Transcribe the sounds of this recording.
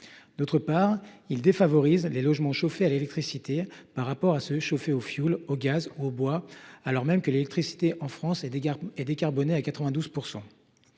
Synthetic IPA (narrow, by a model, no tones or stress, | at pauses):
d̪̥ot̪χəpaʁild̪efavɔʁizlelɔʒmɑ̃ʃofealelɛk̚t̪χisit̪epaʁːapɔʁasəʃofeofjuloɡʲazuobwaalɔʁmɛmkəlelɛkt̪χisi̥t̪eʔɑ̃fχɑ̃sɛd̪ekaʁbɔneakat̪χəvɛ̃d̪uz̥puʁsɑ̃